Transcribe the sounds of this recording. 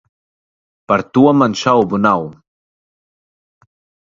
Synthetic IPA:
paɾt̪uamanʃawbunaw

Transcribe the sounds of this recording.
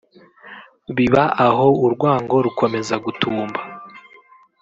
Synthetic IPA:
βiβaʔaɦo̞uɾɡwaːŋɡo̞ɾukʰo̞me̞zaɡutʰuːmba

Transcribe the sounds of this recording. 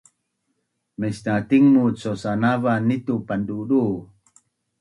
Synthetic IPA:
mesnat̪iŋmut͡sosanavanit̪upanduɗu

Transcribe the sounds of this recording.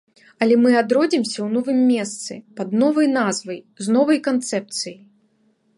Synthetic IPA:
ɐlʲɛmɨad̪ɾɔd͡zʲimsʲɐwnɔvɨmːʲɛst̪sɨ̰pɐd̪nɔvɐjnazvɐj | znɔvɐjkant̪sɛp̚t̪sɨji

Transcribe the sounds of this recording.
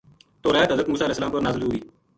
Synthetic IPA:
t̪oːɾaːaːt̪əzəkmuːsaːleɛːsəlaːmpənazəluːiː

